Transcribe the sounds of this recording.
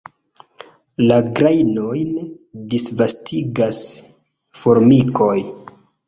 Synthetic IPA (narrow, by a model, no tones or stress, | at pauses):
laɡɾajno̞jndisvastʰiɡas | foɾmiko̞j